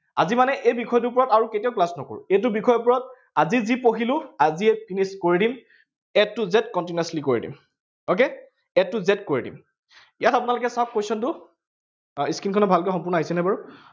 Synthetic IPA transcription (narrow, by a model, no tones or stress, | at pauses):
a̰zimanɛʔejbikʰɔjt̬uɹp̬ɔɹɔtaɹuketiaʊklasnɔko̰ɹṵejt̬ʊbikʰɔjɔp̬ɔɹɔt̚ | azizipoɦilʊaziɛpiniskoɹidim | ɛtːuzɛtkɔntiniaslikoɹḭdḭm | ok̬e | ɛtːuzɛt̚koɹidḭm | jatapʊnalʊkɛsakːojsɔntʊ | iskinkʰɔnɔbʱalkɛxɔmpʊɹnɔaɦisɛnabaɹu